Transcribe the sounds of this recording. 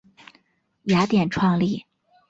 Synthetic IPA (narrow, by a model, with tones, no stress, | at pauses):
ja˧˥t̪jɛ˨˩nʈ͡ʂʰwɑ˥˧ŋli˥˩